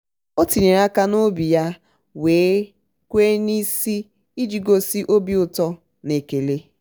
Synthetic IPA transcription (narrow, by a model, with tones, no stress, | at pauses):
o˦ti˨ɲe˨ɾa˦ka˦no˦bi˨ja˦ | weː˨˦ | kʷe˦ni˦si˦ | i˦d͡ʒi˨ɡo˦si˦ʔo˦bi˦ʊ˨tɔ˦ | ne˨ke˨le˦